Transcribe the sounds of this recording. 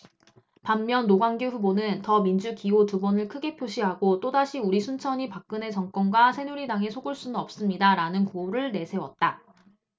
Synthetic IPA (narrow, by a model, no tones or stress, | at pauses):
pamːjʌnːoɡwaŋɡjuɸubonɯntʌmind͡ʑukiotubʌnɯɭkʰɯɡe̞pʰjoɕʰiɦaɡot͈odaɕʰiuɾisʰunt͡ɕʰʌɲipak̚k͈ɯne̞t͡ɕʌŋk͈wʌnɡwasʰe̞nuɾidaŋe̞sʰoɡɯɭs͈unɯnʌp̚s͈ɯmɲidaɾanɯnkoɾɯɭne̞sʰe̞wʌt̚t͈a